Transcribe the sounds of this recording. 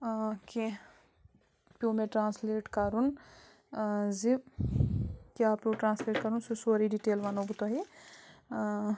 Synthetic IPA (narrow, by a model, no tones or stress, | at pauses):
ki | pjõːmẽʈɾãːnsleːʈkɐɾun | zi | kːpjõʈɾãːnsleːʈkɐɾunsusoːɾiɖiʈeːlʋanobut̪oɦi